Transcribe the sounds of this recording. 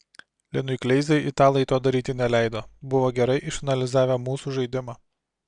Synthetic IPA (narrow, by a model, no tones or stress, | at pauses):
lʲɪnʊɪklʲɛɪzʲɛɪʔit̪ɑːlˠɐɪt̪oːd̪ɐɾʲiːt̪ʲɪnʲɛlʲæˑɪd̪oːbʊʋoːɡʲɛɾɐɪʔɪʃɐnɐlʲɪzɑːʋʲɛmuːsuːˑʒɐɪd̪ʲɪmɑː